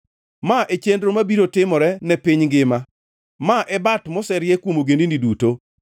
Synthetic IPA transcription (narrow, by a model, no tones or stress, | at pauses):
maʔet͡ʃendɾomabiɾotɪmɔɾɛnɛpiɲɡɪma | maʔɛbatmɔsɛɾjekwomoɡendiniduto